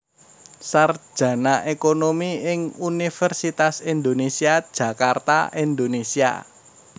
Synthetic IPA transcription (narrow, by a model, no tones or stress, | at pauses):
sar̥ʒ̥ä̤naʔekonomiɪŋunifɛrsit̪asind̪onesiad̥ʒ̥ä̤kart̪a̰ind̪onesia̰